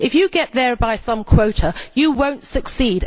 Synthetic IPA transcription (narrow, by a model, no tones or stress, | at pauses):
ɪfjɨɡɛʔ̪ðəbaɪsʌ̃mkʰw̥oʊɾʰəjəwõʊ̃ntsəksiːd